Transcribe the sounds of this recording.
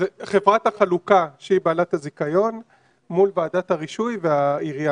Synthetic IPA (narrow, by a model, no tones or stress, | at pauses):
zeχevʁat̪haχalukaʃeibaːlathazikajo̞n | mulvaːdathaʁiʃujveaiʁja